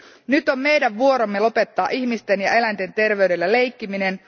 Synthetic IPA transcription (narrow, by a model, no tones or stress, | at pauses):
nyt̪o̞mme̞jdæʋʋuo̞ɾo̞mːe̞lo̞pe̞t̪ːɑːʔiçmist̪e̞njɑ̰e̞lænt̪e̞nt̪e̞rʋe̞yɥde̞lːæle̞jkːimine̞n